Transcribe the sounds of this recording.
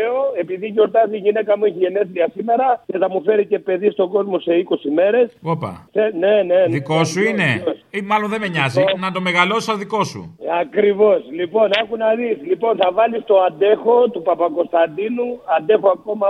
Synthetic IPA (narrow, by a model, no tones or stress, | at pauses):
eoe̞piðiʝo̞ɾt̪ɐziʝine̞kɐmueçiʝe̞ne̞θɾiɐsime̞ɾɐce̞θɐmufe̞ɾice̞pe̞ðist̪o̞ɡo̞zmo̞se̞iko̞sime̞ɾe̞sopɐ̰θene̞ne̞ðikosuineosimɐlonðemeɲɐzinɐt̪o̞meɣɐlosoðiko̞sṵɐkɾivo̞slipo̞nexunɐðislipo̞nθɐvɐlist̪o̞ɐnd̪e̞xo̞t̪upɐpɐko̞st̪ɐnd̪inuɐnd̪e̞xo̞ɐko̞mɐ